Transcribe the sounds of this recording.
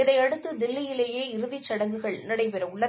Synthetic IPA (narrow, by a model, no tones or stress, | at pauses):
ɪðɐɪɐɽɯt̪ːɯd̪ɪlːɪjɪleːjeːɪɾɯðit͡ʃːɐɽɐŋɡɯɣɐɭnɪɽɐɪpɛɾɐʊɭːɐ